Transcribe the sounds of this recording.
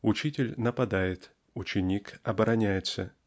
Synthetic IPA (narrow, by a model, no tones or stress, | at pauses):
ʊt͡ɕitʲɪlʲnəpɐd̪ajɪt̪ | ʊt͡ɕɪnʲikɐbəɾɐnʲæjɪt̪sə